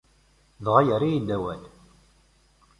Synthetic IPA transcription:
ðʁajəɾijid̪æwæl

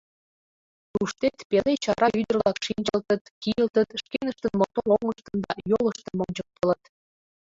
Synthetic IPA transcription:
t̪uʃt̪et̪pelet͡ɕɑɾɑʔyd̪ə̆rlɑkʃinʲd͡ʑəlt̪ət̪kijəlt̪ət̪ʃkenəʃt̪ənmot̪oloŋəʃt̪ənd̪ɑjoləʃt̪ə̆nmoŋt͡ɕɤk̚t̪ə̆lɤt̪

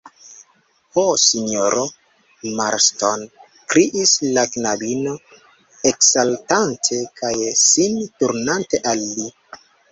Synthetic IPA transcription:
hosino̞ɾo | maɾston | kɾiʔislaknabino̞ | eksaltantʰe̞kʰajsintuɾnante̞ʔalːi

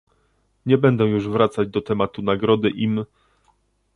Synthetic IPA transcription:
ɲɛbɛnd̪ɛ̃juʐvɾat̪sad͡ʑd̪ɔt̪ɛmat̪unaɡɾɔd̪ɘʔim

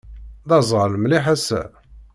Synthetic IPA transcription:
ðɑzˤʁələmliħæsæ̰

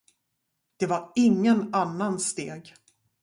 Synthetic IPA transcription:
d̪̥ɛvaɾɪŋːənanːanst̪eːɡ

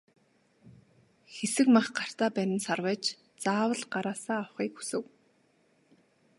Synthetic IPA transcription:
xesɘ̆kmaχɢar̥t̪aːpæɾʲɪ̆nsarwæːt͡ɕ | t͡saːwə̆ɮɢaɾaːsaːawχiːkxu̥sɘ̆w

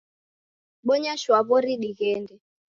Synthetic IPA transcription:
ɓɔɲaʃwaβɔɾiɗiɣɛndɛ

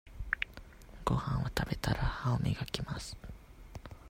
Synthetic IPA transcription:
ɡo̰hãwat̪abet̪ʰaɾahaomiɡakimasɨ̥

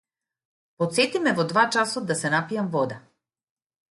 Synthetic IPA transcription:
pɔt̪sɛt̪imɛvɔd̪vat͡ʃasɔd̪̚ːasɛnapijamvɔd̪a

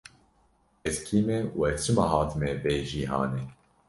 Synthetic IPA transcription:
ɛskʰiːmewɛt͡ʃʰɨmaɦɑːt̪ʰɨmebeːʒiːɦɑ̰ːneː

